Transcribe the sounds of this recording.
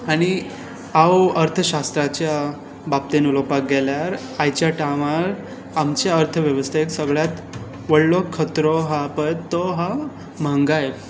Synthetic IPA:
aɽ̃i | awəɾt̪ʰəɕast̪ɾat͡ɕja | bap̚t̪enulopak̚ɡɛljaɾ | ajt͡ɕjaʈaʋaɾ | amt͡ɕjaəɾt̪ʰəʋjəʋəst̪ʰaeksəɡɭjat̪ | ʋəɽlɔkʰət̪ɾɔɦapəj̪t̪ɔɦa | m̤aŋɡaj

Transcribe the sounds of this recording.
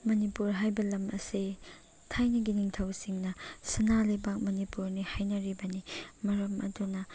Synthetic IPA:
mɐnipuɾɦajbɐlɐmɐ̰si | tʰajnɐɡiniŋtʰɐwsiŋnɐsɐnalajbak̚mɐnipuɾnihajnɐɾibɐnimɐɾɐmɐ̰dunɐ

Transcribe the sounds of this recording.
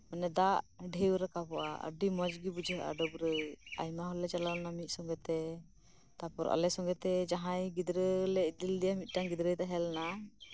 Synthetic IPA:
mənɛd̪aʔɖʱewɾakapɔʔa̰ə̰ɖimɔd͡ʒɡibud͡ʒʱəɦʔa̰ɖɔbɾəa̰jmaɦɔlːɛt͡ʃalalnamit̪̚sɔŋɡɛt̪ɛ | t̪apɔɾʔa̰lɛsɔŋɡɛt̪ɛd͡ʒaɦãjɡid̪ɾəlɛid̪ild̪ɛjamit̪̚ˀʈaŋɡid̪ɾəjt̪aɦɛlna

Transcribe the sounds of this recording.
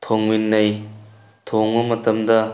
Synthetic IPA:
tʰoŋminːɐj | tʰoŋɐmɐtɐmdɐ

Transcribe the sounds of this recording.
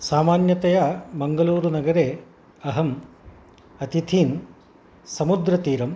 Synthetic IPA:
saːmaːnjɐt̪ɐjabɐŋɡɐluːɾunɐɡɐɾeː | ɐɦɐm | ɐt̪it̪ʰiːn | sɐmud̪ɾɐt̪iːɾɐm

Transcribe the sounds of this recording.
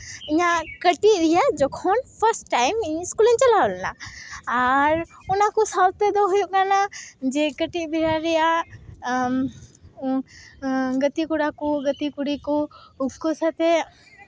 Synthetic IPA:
ɪɲakəʈiɾijad͡ʒɔkʰɔnpʰəɾsʈʈːajmiɲskulint͡ʃɐlawlna̰ː | ɾʊnakɔsalt̪ed̪ɔɦujuʔkanad͡ʒekəʈibʱiɾaɾɛja | ɡət̪ikuɽakuɡət̪ikuɽikoupkosat̪e

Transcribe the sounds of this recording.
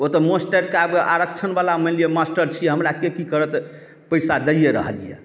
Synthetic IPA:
ot̪əmosʈəɾkeabkeʔa̰ɾəkt͡ʃʰənbalaməlijɛmasʈəɾt͡ʃʰijɛɦəmɾakekikəɾət̪ | pəjsad̪əijeɾə̰ɦəlijḛ

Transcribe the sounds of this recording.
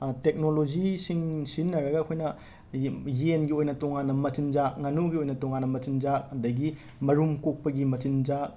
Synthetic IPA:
tek̚nolod͡ʒisiŋsinːɐɾɐɡɐːkʰojnɐ | jenɡiojnɐtoŋanːɐmɐtind͡ʒakŋanuɡiojnɐtoŋanːɐmɐtind͡ʒakɐdɐɡi | mɐɾumkok̚pɐɡimɐtind͡ʒak

